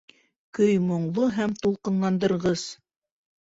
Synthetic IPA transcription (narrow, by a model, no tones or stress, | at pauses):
kɵjmŏɴlˠoɦæmt̪ulˠqɤ̆nlˠɑnd̪ɤ̆ɾʁɤz̥